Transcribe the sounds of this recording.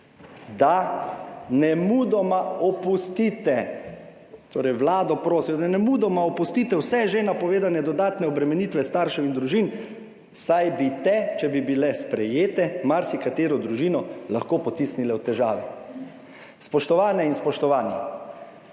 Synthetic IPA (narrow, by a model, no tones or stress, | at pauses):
d̪a | nɛmud̪ɔmaɔpust̪it̪ɛ | t̪ʰoːɾɛjʋlaːd̪ɔpɾoːsiɔd̪anɛmud̪ɔmaɔpust̪iːt̪ɛwsɛʒenapɔʋeːd̪anɛd̪ɔd̪aːt̪nɛɔbɾɛmɛnit̪ʋɛst̪aːɾʃɛind̪ɾuʒiːn | sajbit̪ɛt͡ʃɛbibilɛspɾɛjeːt̪ɛmaɾsikat̪eːɾɔd̪ɾuʒiːnɔlaxkoːpɔt̪isnilɛwt̪ɛʒa̰ːʋɛ | spɔʃt̪ɔʋaːnɛinspɔʃt̪ɔʋaːni